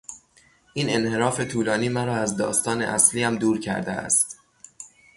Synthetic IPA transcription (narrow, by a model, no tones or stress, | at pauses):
ʔiːne̞nhe̞ɾɒːfe̞t̪ʰuːlɒːniːmæɾɒːæzd̪ɒ̰ːst̪ɒːnḛʔæsliːæmd̪uːɾcʰæ̰ɾd̪ḛæ̰st̪